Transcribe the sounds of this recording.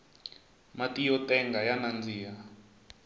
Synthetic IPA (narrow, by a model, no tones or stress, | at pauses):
matijɔtʼɛŋɡajanand͡ziːja